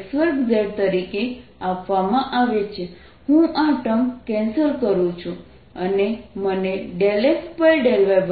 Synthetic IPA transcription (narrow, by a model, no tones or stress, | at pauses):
sʋəɾkzeɽt̪əɾikeapʋamãʔaʋet͡ʃʰe | hũʔaʈəmpkɛ̃nsəlkəɾũt͡ʃʰũ | əneməneɖelespəjɖelʋeb